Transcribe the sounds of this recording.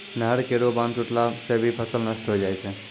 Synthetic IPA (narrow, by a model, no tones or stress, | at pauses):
nəɦəɽkeɾobãnt͡ʃuʈlasebʱipʰəsəlnəsʈɦod͡ʒajt͡ʃʰe